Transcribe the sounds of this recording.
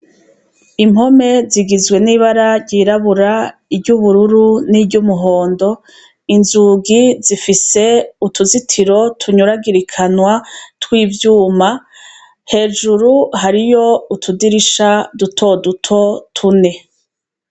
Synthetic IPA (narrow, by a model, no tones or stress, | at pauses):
imho̞me̞ziɡizɡwe̞niβaɾaɾɟiɾaβuɾaibɟuβuɾuɾunibɟumuɦo̞ːndo̞ | inzuɡizifise̞utʰuzitʰiɾo̞tʰuɲuɾaɡiɾikʰanwatwiːvjuːma | he̞ːʒuɾuɦaɾijo̞utʰudiɾiʃadutʰo̞dutʰo̞tʰune̞